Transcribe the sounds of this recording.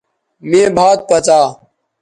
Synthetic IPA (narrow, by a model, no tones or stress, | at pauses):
mĩːbʱaːt̪̚pət͡saː